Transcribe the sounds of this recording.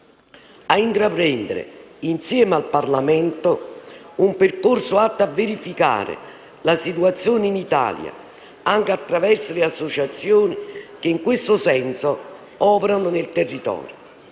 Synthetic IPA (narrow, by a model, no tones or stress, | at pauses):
aint̪ɾapɾɛnd̪ɪɾɪ̰insjɛːmalparlamɛnt̪ʊumperkorsʊat̪ːavːeɾifika̰ːɾḛ | lasit̪uat̪sːjoːneinit̪a̰ːlja̰ | aŋk̟ɪat̪ːɾavɛrsolɪasːot͡ʃat̪sːjoːnik̟ɪŋkwest̪ʊsɛnso | ɔːpeɾanʊnɪlt̪erːit̪ɔ̰ːɾjo